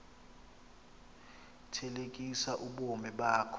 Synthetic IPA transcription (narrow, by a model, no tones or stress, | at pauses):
tʰɛlek̬ʼisaʔuɓomɛɓaːkʰɔ